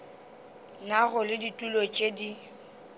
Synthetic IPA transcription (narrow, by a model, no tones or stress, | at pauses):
naɣʊlɪditʼulɔt͡ʃʼedi